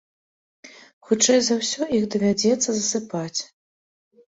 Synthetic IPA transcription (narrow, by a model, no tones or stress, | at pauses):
xut͡ʂɛjzawsʲɔixd̪ɐvʲad͡zʲɛt̪sːɐzɐsɨpat͡sʲ